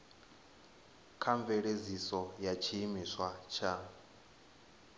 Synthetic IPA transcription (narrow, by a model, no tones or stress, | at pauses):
kʰaɱvɛɺezisɔjat͡ʃʰimiswat͡ʃʰa